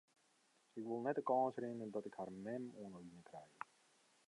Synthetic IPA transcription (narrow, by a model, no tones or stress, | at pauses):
ɪkʋɪlˠnɛt̚dəkɑ̃ːnsrɪnəndɔtɪkhaːrmɛmoənəliənkrɛjə